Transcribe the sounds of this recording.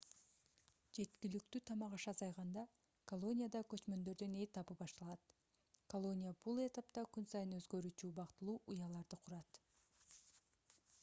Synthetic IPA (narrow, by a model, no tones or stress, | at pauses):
d͡ʒe̞t̪kilyk̚t̪yt̪ʰɑmɑʁɑʃɑzɑjʁɑnd̪ɑ | kolˠo̞nʲijad̪ɑkø̞t͡ʃmø̞nd̪ø̞ɾd̪ønet̪ʰɑpɯpɑʃt̪ɑlˠɑt̪ | kolˠo̞nʲijabulˠe̞t̪ɑpt̪ɑkynsɑjɯnø̞zɡø̞ɾyːt͡ʃybɑqt̪ɯlˠuːʔujɑlˠɑɾd̪ɯqʰuɾɑt̪